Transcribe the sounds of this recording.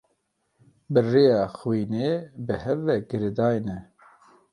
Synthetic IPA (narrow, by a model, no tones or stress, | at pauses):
bɨreːjɑːxwiːneːbɨhɛvɛɡɨɾeːd̪ɑːjnɛ